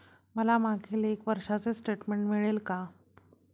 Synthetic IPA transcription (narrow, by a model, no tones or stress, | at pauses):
məlamaɡʱiːlekʋəɾʂat͡sesʈeʈmeɳʈmiɭelka